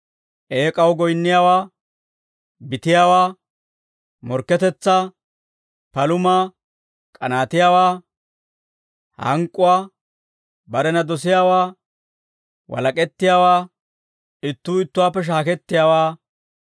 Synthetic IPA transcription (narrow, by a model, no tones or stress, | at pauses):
ʔeːkʼɐwɡɔjnːɪjaːwaː | bɪt̪ɪjaːwaː | mɔɾkːɛt̪ɛt͡sːa | pɐlʊmaː | kʼɐnaːt̪ɪjaːwaː | hɐ̰ŋkʼːʊwaː | bɐɾɛnɐd̪ɔs̬ɪjaːwaː | wɐ̰lɐkʼɛt̪ːɪjaːwaː | ɪt̪ːuːɪt̪ːʊwaːpːɛʃ̬aːkɛt̪ːɪjaːwaː